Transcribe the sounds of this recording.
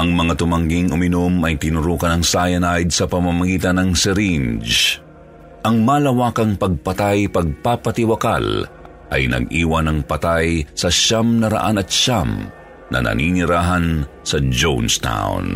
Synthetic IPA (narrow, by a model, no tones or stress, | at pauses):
ʔɐŋmɐŋat̪ʊmɐŋɡiŋʊmɪnomɐjt̪ɪnʊɾuːkɐnɐŋsaːjɐnajd̪̚sɐpɐmamɐɡiːt̪ɐnɐŋsɛɾind͡ʒ | ʔɐŋmaːlɐwaːkɐŋpɐɡ̚pɐt̪ajpɐɡ̚papɐt̪ɪwɐka̰l | ʔɐ̰jnɐ̰ɡʔiːwɐnɐŋpɐt̪ajsɐʃamnɐɾɐ̰ʔanɐt̪ʃam | nʔɐ̰nʔɐ̰ninɪɾaːɦɐnsɐd͡ʒownst̪a̰wʊ̰n